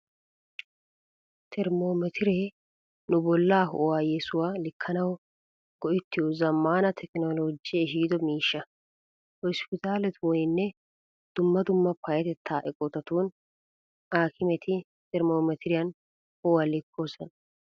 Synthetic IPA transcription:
t̪ʰɛɾmoːmɛt̪ʰɪɾeː | nʊbɔlːaːɦɔ̰ʔwaːjɛsʊwaːlɪkʰːɐnɐw | ɡ̥ɔʔɪt̪ːɪjɔzɐmːaːnɐt̪ʰɛknoːloːd͡ʒɪɛʃiːd̪ɔmiːʃːɐ | hɔspɪt̪aːlɛt̪ʰwɔnɪnːɛ | d̪̥ʊmːɐd̪ʊmːɐpʰɐjɛt̪ɛt̪ʰːaːʔɛkʼɔt̪ɐt̪uːn | aːkɪmɛt̪ʰɪ | t̪ɛɾmoːmɛt̪ɪɾɪjɐn | hɔwalɪkʰːoːsɔn

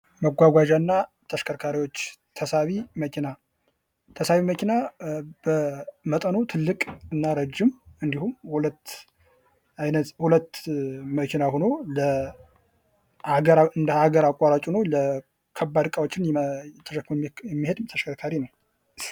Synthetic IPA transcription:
məɡʷaɡʷaʒanːa | t̪ʰəʃkʰəɾkʰaɾijwo̞t͡ʃːt̪ʰəsaβiməkʰina | t̪ʰəsaβiməkinab̥əmət̪ʼənot̪ʰɨlːɨkʼɨnːaɾəd͡ʒːɪmɨnd̪ihumhulət̪ː | ajnət̪hulət̪ːməkʰinahono̞lə | haɡəɾɨnd̪əhaɡəɾakʼːaɾat͡ʃʼunəwlə | kʰəbːad̪kʼawot͡ʃːɪnt̪ʰəʃəkʰːjɛmːihed̪t̪ʰəʃkʰəɾkʰaɾinəw

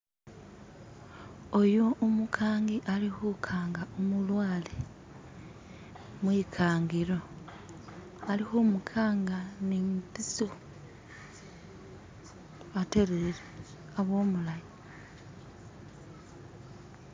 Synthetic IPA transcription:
ojuːmukʰaːŋɡiʔalixukʰaːŋɡaomulwaːle | mwiːkʰaːŋɡiɾo̞ | alixumukʰaːŋɡanimpiso | βate̞ɾeɾe | aβo̞ːmulaji

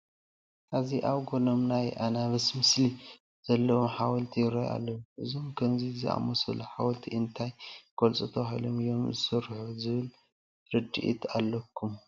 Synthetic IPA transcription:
ʔaziʔaβɡo̞nomnajʔanaβɐsmɨsli | z̥ɐlːɐwomħawɐlt̪ʰijɾoja̰lːɐwuʔɨzomkʰɐmzizɨ̰a̰mosɐ̰luħawɐlt̪ʰiʔɨnt̪ʰajkʰolt͡sʼut̪ʰɐβahḭlomɨjo̞mzɨsɨɾħuzɨβɨl | ɾɨd̪ḭʔḭt̪ʰalːɐkʰːum

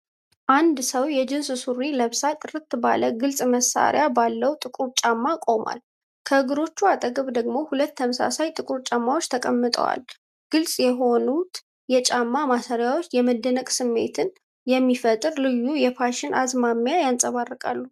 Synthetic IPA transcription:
ʔand̪səwjɛd͡ʒɪnssuɾiləβsat̪ʼɨrɨt̪ːɨba̰ləɡɨlsʼməsa̰ɾɪ̰jabalːəwt̪ʼɨkʼuɾt͡ʃʼamːakʼo̞mwa̰l | kʰəɨɡɨɾo̞t͡ʃːuat̪ʼəɡəβd̪əɡmo̞hulət̪ːəməsa̰sajt̪ʼɨkʼuɾt͡ʃʼamːawo̞t͡ʃːt̪ʰəkʼəmːɨt̪ʼə̰wa̰l | ɡ̥ɨlsʼjɛɦo̞nut̪ | jɛt͡ʃʼamːamasəɾjawo̞t͡ʃːjɛməd̪ənəkʼsɨmːe̞̰t̪ʰɨn | jɛmːifət̪ʼɨɾlɨjːujɛpʰaʃɪnʔazmamːjajansʼəβarːəkʼa̰lːu

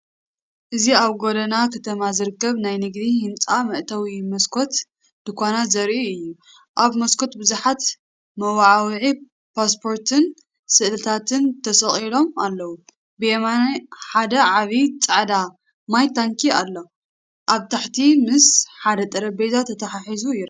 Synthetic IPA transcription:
ʔɨziaβɡod̪ɐnakʰɐt̪ʰɐmazɨɾɨkːɐβnajnɨɡd̪ihɨnt͡sʼamɨʔt̪ʰɐwimɐskʰo̞t̪ | d̪̥ɨkʰanazɐɾʔiɨjːu | ʔaβmɐskʰo̞t̪bɨzuħat̪ | mɐwaʕawʕi | paspʰo̞ɾt̪ʰɨn | sɨʔlɨt̪ʰat̪ʰɨnt̪ʰɐsɐχʼilo̞malːɐwu | bɨjemanħad̪ɐʕaβit͡sʼaʕd̪a | majt̪aŋkʰialːo̞ | ʔaβt̪ʰaħt̪ʰimɨsħad̪ɐt̪ʼɐɾɐbezat̪ʰːɐt̪ʰɐħaħizuiɾ

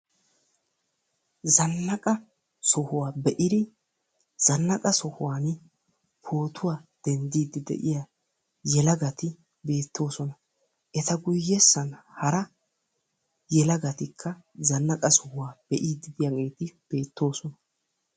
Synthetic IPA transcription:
zɐnːɐkʼɐ | sɔhʊwaːbɛʔɪd̪ɪ | z̥ɐnːɐkʼɐsɔhʊwaːn | pʰo̞ːt̪ʊwaːd̪̥ɛnd̪iːd̪ɪd̪ɛ̰ʔɪja | jɛlɐɡɐt̪ɪ | be̞ːt̪ʰːo̞ːsɔnɐ | ʔɛt̪ɐɡʊjːɛsːɐnhɐɾɐ | jɛlɐɡɐt̪ɪkʰːɐ | zɐnːɐkʼɐsɔhʊwaːb̥ɛʔiːd̪ɪd̪ɪjɐɡeːt̪ɪb̥e̞ːt̪ːo̞ːsɔnɐ

